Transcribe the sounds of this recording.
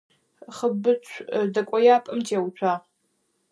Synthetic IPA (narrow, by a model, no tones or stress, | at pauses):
χəbɨt͡ʃʷʰdɐkʷʼɔjaːpʼɨmtʰeːwt͡ʃʷʰaː